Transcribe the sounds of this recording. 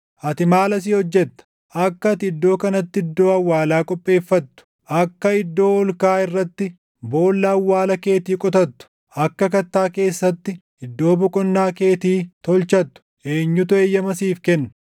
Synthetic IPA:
ʔɐt̪ɪmaːlɐsiːɔd͡ʒːɛt̪ːɐ̥ | ʔɐkːɐt̪ɪɪd̪ːo̞ːkɐnɐt̪ːɪɪd̪ːo̞ːɐwːaːlaːkʼɔpʼːe̞ːfːɐt̪ːʊ̥ | ʔɐkːɐɪd̪ːo̞ːɔlkaːɪrːɐt̪ːɪ | bo̞ːlːɐːwːaːlɐke̞ːt̪iːkʼɔt̪ɐt̪ːʊ̥ | ʔɐkːɐkɐt̪ːaːke̞ːsːɐt̪ːɪ | ɪd̪ːo̞ːbʊkʼɔnːaːkeːt̪iːt̪ɔlt͡ʃɐt̪ːʊ̥ʔeːɲːʊt̪ʊɛjːɐmɐsiːfkɛnːɐ

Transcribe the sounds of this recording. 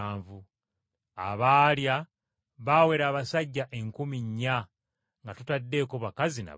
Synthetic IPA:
ɱvu | a̰βaːlja | βawe̞ɾaːβasaɟːaʔe̞ŋkumiɲːa | ŋɡatutadːe̞ːko̞βakazina̰

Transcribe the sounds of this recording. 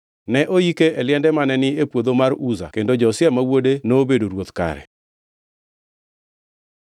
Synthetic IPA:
nɛʔojikeʔɛlɪɛndɛmanɛnɪepwod̪omaruza̰kendod͡ʒɔsjɛmawodenobedoɾwot̪ka̰ɾɛ̰

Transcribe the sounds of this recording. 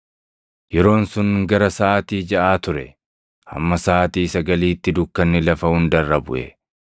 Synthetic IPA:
jɛɾo̞ːnsʊŋɡɐɾɐsaːt̪iːd͡ʒɐʔaːt̪ʊɾɛ | hɐ̰mːɐsaːt̪iːsɐɡɐliːt̪ːɪd̪ʊkːɐnːɪlɐfɐhʊnd̪ɐrːɐbʊ̰ʔɛ̰

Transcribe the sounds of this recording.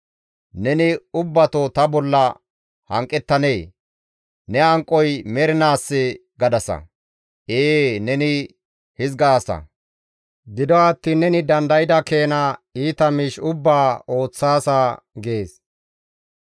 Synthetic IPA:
nɛnɪʊbːɐt̪ɔt̪ɐbɔlːɐ | hɐ̰ŋkʼːɛt̪ːɐne̞ː | nɛɐŋkʼːɔjmɛɾɪnaːsːɪ | ɡɐd̪ɐsɐ̰ | eːnɛnɪ | hɪzɡaːsɐ̰ | ɡɪd̪ɔɐt̪ːiːnːɛnɪd̪ɐnd̪ɐjɪd̪ɐke̞ːnaiːt̪ɐmɪʃʊbːaːʔo̞ːt͡sːaːsaː | ɡeːs

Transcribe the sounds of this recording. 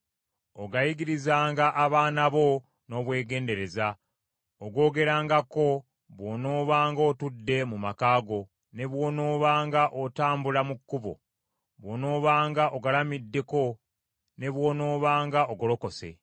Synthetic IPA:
o̞ɡajiɡiɾizaːŋɡaʔaβaːnaβo̞ | no̞ːβwe̞ːɡe̞ːnde̞ɾe̞za | oɡo̞ːɡe̞ɾaːŋɡako̞ | βwono̞ːβaːŋɡo̞tudːe̞mumakaːɡo̞ | ne̞βwo̞ːnoːβaːŋɡaʔotaːmbulamukːuβo̞̰ | βwono̞ːβaːŋɡaʔo̞ɡalamidːe̞ko̞ | ne̞βwo̞ːno̞ːβaːŋɡaʔoɡolo̞ko̞se̞̰

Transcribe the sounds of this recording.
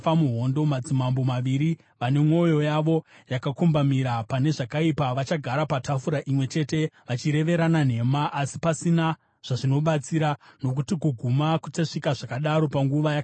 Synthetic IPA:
famuɦo̞ndo̞mad͡zimambo̞maʋiɾi | ʋane̞mŋo̞jo̞jaʋo̞jakakumbamiɾapane̞ʐakaipaʋat͡ʃaɡʱaɾapatʰafuɾaʔimwe̞t͡ʃe̞ːte̞ʋat͡ʃiɾe̞ʋe̞ɾanan̤e̞maʔːsipasina | ʐ̥aʐino̞ɓat͡siɾano̞k̬utikuɡʱumakuteʂikaʐakaɗaɾo̞paŋɡuʋajak

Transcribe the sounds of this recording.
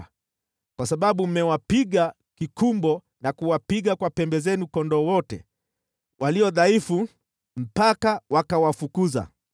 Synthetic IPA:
kwasaɓaɓum̩mɛwapiɠa | kikumbɔ | nakuwapiɠakwapɛmbɛzɛnukɔndɔwɔtɛ | wʔaliɔðaifu | m̩pakawakawafukuza̰

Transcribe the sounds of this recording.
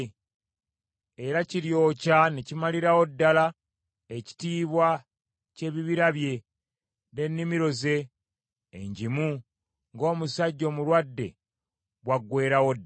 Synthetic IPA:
eɾaciɾjo̞ːcanecimaliɾawo̞dːala | eci̥tiːβwa | ce̞βiβiɾaβje̞ | ne̞nːimiɾo̞ze̞̰ː | ɲɟimu | ŋɡo̞ːmusaɟːo̞ːmulwadːe̞̰ | βwaɡːwe̞ːɾawod

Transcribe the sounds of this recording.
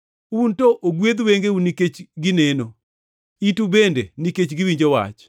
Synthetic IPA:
untoʔoɡwed̪weŋɡeuniket͡ʃɡɪneno | itubendeniket͡ʃɡɪwiɲd͡ʒowa̰t͡ʃ

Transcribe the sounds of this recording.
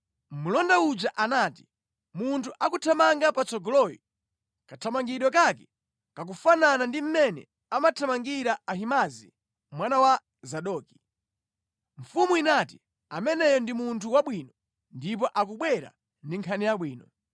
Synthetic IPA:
mulɔndaud͡ʒaʔanaːti̥ | muntʰuʔakutʰamaŋɡapat͡sɔɡɔlɔjɔ | katʰamaŋɡiɗwɔkakɛ̥ | kak̬ufananandim̩mɛnɛ̰ | amatʰamaŋɡiɾaaɦimazḭ | mwanawa | zaɗɔːki̥ | ɱ̩fumuinati̥ | amɛnɛjɔndimuntʰuwaɓwiːnɔ | ndip̬ɔʔak̬uɓwɛɾa̰ | ndiŋkʰanijaɓwiːnɔ

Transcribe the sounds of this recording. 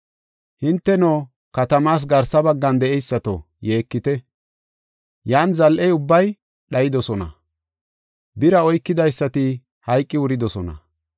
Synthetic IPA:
hɪnt̪ːɛnoː | kɐt̪ɐmaːs̬ɡɐɾsːɐbɐɡːɐnd̪ɛʔɛjsːɐt̪o̰ | jeːkːɪt̪ɛ | jaːnzɐlʔɛjʊbːɐj | ɗɐjɪd̪ɔsɔnɐ̰ | bɪɾɐɔjkːɪd̪ɐjsːɐt̪ɪ | hɐjkʼːɪwʊɾɪd̪ɔsɔnɐ̰

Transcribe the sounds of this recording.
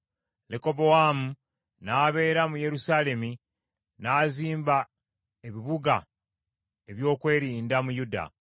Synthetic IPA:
leko̞bowamu | naːβe̞ːɾamuje̞ɾusaːle̞mi | naːziːmba | eβiβuɡa̰ | e̞βjo̞ːkwe̞ːɾiːndamujuda̰

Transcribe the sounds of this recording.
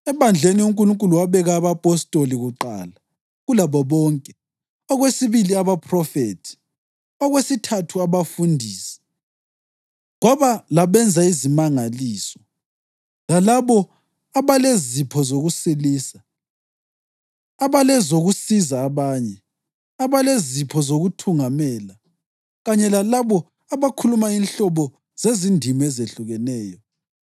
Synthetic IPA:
ɛβand͡ɮʱeniuŋkʼuluŋkʼuluwaβɛɣaːβapʼɔstʼoliɣuǃa̰ːla | ɣulaβɔβɔːŋkʼɛ | ɔɣwesiβiliaβapʰʼrɔfetʰi̥ | ɔɣwesitʰatʰuaβafundʱiːsɛ̥ | ɣwaβalaβɛnd͡zʱaizimaŋaliːsɔ | lalaβɔ | aβalezipʰɔzoɣusiliːsa | aβalɛzoɣusizaːβaɲɛ | aβalezipʰɔzoɣutʰuŋamɛla | ɣaɲɛlalaβɔ | aβakʰulumainɬɔβɔ | z̥ezindʱimɛzeɬuɣɛnɛːjɔ

